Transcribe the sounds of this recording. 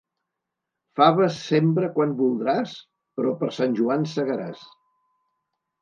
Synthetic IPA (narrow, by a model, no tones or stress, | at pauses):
faβəsːempɾəkwanbulˠd̪ɾas | pɾɔpəɾsanʲʒuansəɣəɾa̰s